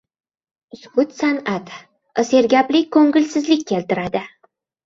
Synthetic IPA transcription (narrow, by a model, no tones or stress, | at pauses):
ʊskʊt̪sanat̪ | ɒse̞ɾɡʲaplɪkʰːɵŋɡʲɪlsɪzlɪkʲʰːe̞lt̪ɪɾad̪ɪ